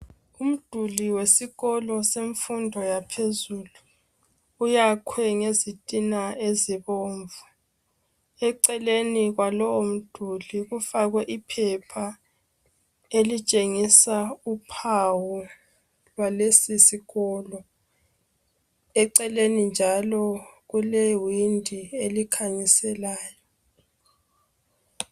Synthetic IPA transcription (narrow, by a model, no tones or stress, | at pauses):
um̩d̥ʱuliwesiɣɔlɔseɱfundʱɔjapʰezuːlu | ujakʰwɛŋezitʼinaeziβoːɱvu | ɛǀɛleniɣwalɔwɔm̩d̥ʱuliɣufaɣwɛʔipʰɛpʰa | elit͡ʃʼeŋisaupʰawu | lwalesisiɣɔlɔ | ɛǀɛlenind͡ʒʱalɔɣulewindʱielikʰaɲisɛlaːjɔ